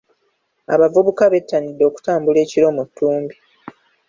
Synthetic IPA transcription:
a̰βavuβukaβe̞tːanidːo̞ːku̥taːmbule̞ːciɾo̞mutːuːmbi

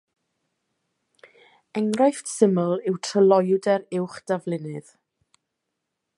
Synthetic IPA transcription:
ɛŋrajftsɪməlˠɪwtʰrəlˠɔjdɛɾɪwχd̥avlˠɪnɨð̥

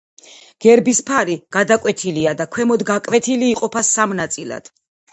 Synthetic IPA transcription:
ɡ̥ɛɾbispʰaɾiɡ̥ad̪akʼwɛt̪ʰiliad̪akʰwɛmɔd̪ɡakʼvɛt̪ʰiliːqʼɔpʰasamnat̪sʼilˠa̰d̪̥

